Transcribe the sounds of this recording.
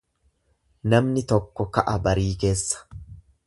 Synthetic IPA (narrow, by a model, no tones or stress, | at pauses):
nɐmnɪt̪ɔkːɔkɐʔɐbɐɾiːke̞ːsːɐ̥